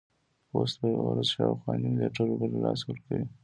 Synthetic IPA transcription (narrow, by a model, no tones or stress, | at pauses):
osb̪əɾazʃɑwxwɑnimɪleʈaɾobəɾlɑswəɾkawi